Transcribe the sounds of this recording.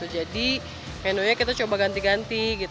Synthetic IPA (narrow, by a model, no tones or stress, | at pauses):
ud͡ʒadi | mɛnoɲakit̪at͡ʃobaɡant̪iɡant̪iɡit̪